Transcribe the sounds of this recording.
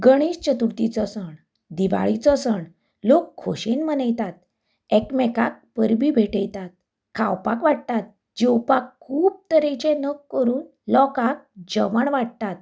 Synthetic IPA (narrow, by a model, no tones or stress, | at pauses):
ɡəɽ̃ist͡ɕət̪uɾt̪it͡sɔsəɳ | d̪iʋa̰ɭit͡sɔsəɳ | lokʰːo̰ɕenmənajt̪at̪̚ | ɛkmɛkak̚pəɾbiːbʱeʈəjt̪at̪̚ | kʰawpakʋaɽt̪at̪̚ | d͡ʑewpakʰːuːb̚t̪əɾẽt͡ɕẽnəkːəɾuːn | lɔkak̚d͡ʑəʋəɳʋaɽ̚t̪at̪̚